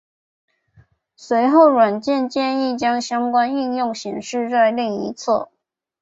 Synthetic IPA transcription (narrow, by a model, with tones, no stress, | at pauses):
swe˧˥ɪxo˥˩ʊɻwa˨˩nt͡ɕjɛ˥˧nt͡ɕjɛ˥˧ni˥˩t͡ɕjɑ˥ŋɕjɑ˥ŋkwa˥ni˥˧njʊ˥˩ŋɕi˨˩ŋʂɻ̩˥˧t͡sa˥˧ɪli˥˩ŋi˧˥t͡sʰɤ̰˥˩